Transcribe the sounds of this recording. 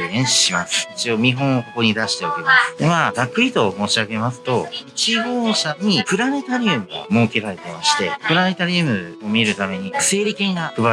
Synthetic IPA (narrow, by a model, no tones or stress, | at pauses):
ẽ̞ɰ̃ɕi̥ɕimasɨ̥it͡ɕio̞mʲiɦõ̞ɰ̃oko̞ko̞ɲ̟id̪aɕi̥t̪eokemasɨ̥d̪emaɡakːɯ̟ɾʲit̪o̞mo̞ːɕiaɡe̞masɨ̥t̪o̞it͡ɕiɡo̞ːɕaɲ̟ipɯ̟ɾane̞t̪aɾʲiɯmɯ̟ɡa̰mo̞ːke̞ɾaɾe̞t̪e̞maɕi̥t̪e̞̰pɯ̟ɾane̞t̪aɾʲiɯmɯ̟o̞mʲiɾɯ̟t̪ame̞ɲ̟ise̞ːɾʲikẽ̞ŋɡakɯ̟ba